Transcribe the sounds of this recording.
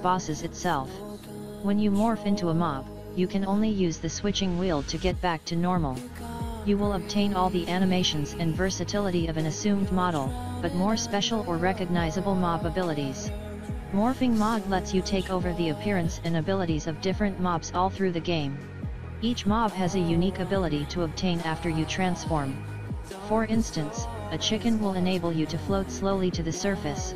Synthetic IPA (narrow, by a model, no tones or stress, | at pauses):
b̥ɑsɨzɨtsɛlˠf | wə̃njɨmɔɹfɪ̃ntuəmɑb̥ | jɨkʰɨ̃nõʊ̃nlijʉzðɨswɪt͡ʃɪ̃ŋwilˠtʰɨɡɛt̚b̥æk̚tʰɨnɔɹml̩ˠ | jɨwɪlˠəb̚tʰẽɪ̃nɔlˠðiʔæñɨmeɪʃɨ̃nzɨ̃nvɜ˞sɨtʰɪlˠəɾiʌvɨ̃nɨsʉ̃mdmɑɾl̩ˠ | b̥ʌt̚mɔɹspɛʃl̩ˠə˞ɹɛkɨɡ̚naɪzɨbl̩ˠmɑbəbɪlˠəɾiz̥ | mɔɹfɪ̃ŋmɑblɛtsjɨtʰeɪkoʊvə˞ðiɨpʰɪɹɨ̃nsɨ̃nɨbɪlˠəɾizʌvdɪfɹɨ̃nmɑbz̥ɔlˠθɹʉðɨɡẽɪ̃m | it͡ʃmɑb̥ɨzɨjʉnikɨbɪlˠəɾiɾəəb̚tʰẽɪ̃næftə˞jɨtʰɹ̥æ̃nsfɔɹm | fə˞ɪ̃nstɨ̃ns | ɨt͡ʃʰɪkɨ̃nwɪlˠɨneɪbl̩ˠjɨɾɨfloʊtsloʊlˠiɾɨðɨsɜ˞fɨs